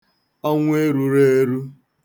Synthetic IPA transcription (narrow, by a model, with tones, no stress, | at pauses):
a˦ŋʷ˦e˦ɾu˦ɾe˦ɾu˦